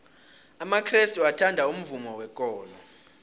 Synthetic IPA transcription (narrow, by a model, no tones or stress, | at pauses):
amakʰristʼuatʰandʱaum̩vumɔwɛkʼɔːlɔ